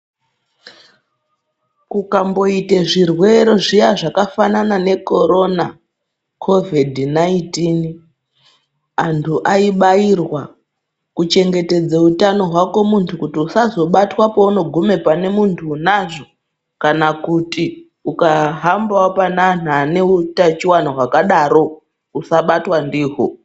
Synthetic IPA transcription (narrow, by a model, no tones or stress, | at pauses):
kukambo̞iteʐirwe̞ɾo̞ʐijaʐakafananane̞ko̞ɾo̞na | kʰo̞vidʱnaintiːn | antʰuʔaiɓairwa | kut͡ʃe̞ŋɡe̞te̞d͡zeutano̞ɦwako̞muntʰukutiusazo̞ɓatwapouno̞ɡʱume̞pane̞muntʰunaʐo̞ | kanakuti | ukaɦambaapananane̞utat͡ʃiwan̤oɦwakaɗaɾo̞ | usaɓatwandiːɦo